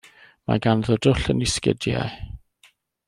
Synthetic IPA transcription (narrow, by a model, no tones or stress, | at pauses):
ma̰ɡanðʊdʊɬəniskɪ̰dja̰